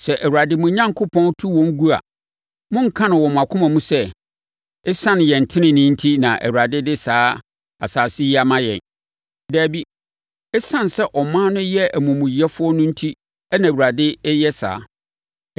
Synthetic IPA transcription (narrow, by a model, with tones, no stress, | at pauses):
sɛ˨ʔæ˨wu˨ɾa˨dɪ˦mʊ̃˨˦ɲã˦ŋkʰʊ˦pʰɔ̃˦n˦tʰu˦wɔ̃˨˦ŋ˦ɡu˦a̰˨ | mʊ̃˦ŋ̩˦˨kʰã˦nʊ̃˨wɔ˨m̃˨a˨kʰʊ̃˦mã˨mũ˦sɛ˦ | ɪ˦sã˦n˨jɛ̃˨n̩˨tʰɪ̃˦nɪ̃˨nɪ̃˦n̩˦tʰi˦nã˨ʔæ̰˨wu˨ɾa˨dɪ˦dɪ˦saː˨˦ | a̰˨saː˨sɪ˦i˦a˨mã˦jɛ̰̃˨n˨ | dæː˨bi˦ | ɛ˦sã˦n˨sɛ˦ʔɔ˨mã˦nʊ̃˦jɛ˦æ˨mũ˨mũ˨ji˨ɛ˦fʊ˦ɔ˦nʊ̃˦n̩˦tʰi˦ | æ˦nã˨wu˨ɾa˨dɪ˦jɛ˦sa̰ː˨˦